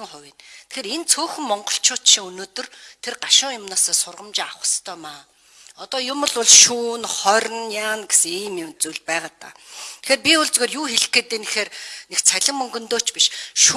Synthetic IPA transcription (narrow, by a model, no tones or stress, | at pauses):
ŋχʊwʲiːnt̪ʰe̥xeːɾent͡sʰoːxɵ̆mːɔɴɢɞ̥̆ɬt͡ɕʰʊːt̪ʃiŋɵnoːt̪ɵ̆rt̪ʰerɢaʃʊ̃ŋjʊmnaːsɔːsʊrʁə̆mt͡ɕɪːaχə̥̆st̪ʰœːmaː | ɔt̪ɔːjʊmə̆ɮʊɮʃuːnχɔɾʲə̆njaːnɡesɘ̆ŋiːmʊmt͡suɮpæːʁaːt̪a̰ːt̪ʰe̥xeːrpʲiʊɮt͡sɣoːrjuːxeɮɘ̆keːt̪eːnexeːrnekt͡sʰæɮɪ̆mmɵŋɡɵ̆nt̪oːt͡ɕpiʃʃ